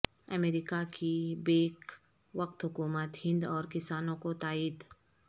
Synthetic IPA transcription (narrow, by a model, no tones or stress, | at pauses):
ə̰meːɾɪkakʰibeːk | ʋəq̚t̪ɦʊkuːmət̪hɪ̃nd̪ɔːɾkɪsaːnõkot̪aːiːd̪